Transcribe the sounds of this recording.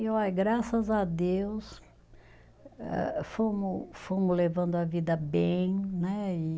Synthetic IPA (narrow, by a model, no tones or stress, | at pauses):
iɔjɡɾasɐzɐd̪ews | ɛ̰fõmʊfõmʊzlevɐ̃nd̪ʊɐvid̪ɐbẽj̃nɛɪ